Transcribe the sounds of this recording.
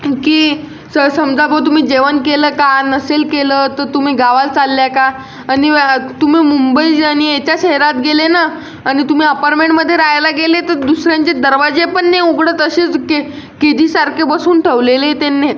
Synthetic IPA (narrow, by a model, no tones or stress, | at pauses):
kiː | səsəmd͡zabət̪̬um̤iːd͡ʑeʋənkeləːkanəselkelət̪əɾt̪um̤iːɡaʋalt͡salːjakaː | nit̪um̤iːmumbəiañiet͡ɕjaɕeɦeɾat̪̚ɡelena | añit̪um̤iːəpaɾmẽɳʈməd̪ʱːjeɾajalaɡelet̪əɾd̪usɾjãɲt͡ɕed̪əɾʋad͡ʑepəɳːeuɡɽət̪əɕet͡ske | ked̪iːsaɾkʰebəsuːnʈʰeʋlelet̪enːe